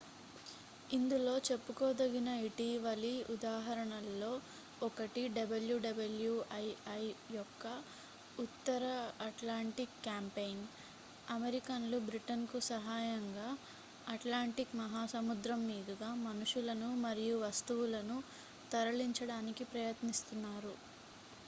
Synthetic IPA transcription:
ind̪ulo̞ːt͡ʃe̞pːukɔːd̪ɐɡinɐiʈiːʋɐliud̪aːɦɐɾɐɳɐlːo̞ː | ɔkɐʈiɖɐbɐljuɖɐbɐljuɐjɐjjɔkːɐ | ut̪ːɐɾɐɐʈlaːɳʈikːjaːmpejn | ɐmeɾikɐnlubɾiʈɐnkusɐɦaːjɐŋɡaː | ɐʈlaːɳʈikmɐɦaːsɐmud̪ɾɐmːiːd̪ɐɡaːmɐnuʂulɐnumɐɾijuʋɐst̪uwulɐnu | t̪ɐɾɐɭiɲt͡ʃɐɽaːnikipɾɐjɐt̪nist̪unːaːɾu

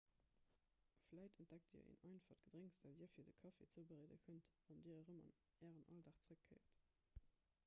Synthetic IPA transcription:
flæɪtənt̚d̥æk̚tḭɐḛːnɑɪnfɐdɡədʁeŋsd̥ældiːɐfiːɐdəkʰɑfḛt͡səbəʁeːdəkʰəntɑndiːəʁəmɑ̰n | æːʁənʔɑldaːχt͡səʁəkʰːəɪɐt

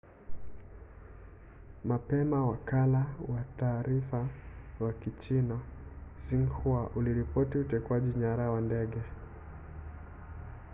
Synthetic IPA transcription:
mapɛmawakalawataːɾifawakit͡ʃinaziŋhuaʔuliɾipɔtiutɛkwaʄiɲaɾawandɛɠɛ

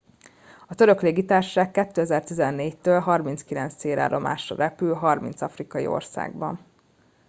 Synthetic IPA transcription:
ɒt̪øɾø̞kleːɡit̪aːrʃaːkːɛt̪ːøːɛzɛrt̪izɛnːeːct̪øːlɦɒrminskilɛnt̪sseːɾa̰ːɾʔo̞mʔa̰ːʃrɒ̰rʔɛpylɦɒrmḭnt̪sɒfrikɒjḭo̞̰rsa̰ːɡbɒ̰n

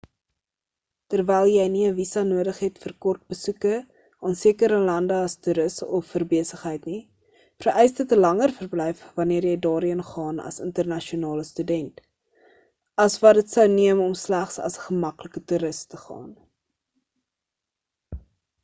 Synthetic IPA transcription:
tərvɛjlˠjɛjniəvisɐnuədəχɦɛtfərkɔrt̚bəsukə | ɑːnsiəkəɾəlɐndəɐstyɾəsɔfːərbiəsəχɦəjtni | fərʔɛjsdətəlɐŋərfərblɛjfvɐniərjɛjdɑːɾiənχɑːnɐ̰səntərnɐʃiunɑːləstydɛnt | ɐsvɐdətsəwniəmɔmslæχsɐ̰sə̥χəmɐkləkətuɾəstəχɑ̰ːn

